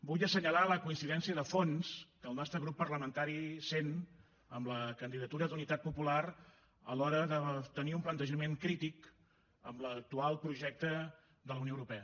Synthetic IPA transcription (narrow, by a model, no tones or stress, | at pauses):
buʎəsəɲəlaləkuinsiðɛnsiəðəfonskəlˠnɔst̪ɾəɣɾupːərləmənt̪aɾisen | əmləkənd̪iðət̪uɾəd̪unit̪at̪̚pupular | ə̰lɔɾəðət̪əniumplənt̪əʒəmeŋkɾit̪ik | əmlək̚t̪ualˠpɾuʒɛk̚t̪ə | d̪ələwnioəwɾupɛə